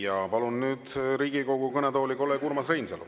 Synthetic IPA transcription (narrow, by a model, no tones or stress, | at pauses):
jɑpɑlunːyːd̪̥ɾiːɡ̥ikoɡukɤnɛt̪o̞ːlʲiko̞lːekuɾmɑsrejnsḛl̰